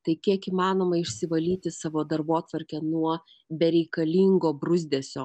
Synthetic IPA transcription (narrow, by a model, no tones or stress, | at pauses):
t̪ɐɪkʲiɛkiːmɑːnoːmɐɪʃʲsʲɪʋɐlʲiːt̪ʲɪsɑːʋoːd̪ɐɾboːt̪ʋɐɾʲkʲɛnuɔ | bʲɛɾʲɛɪkɐlʲiːŋɡoːbɾʊzʲd̪ʲeːsʲoː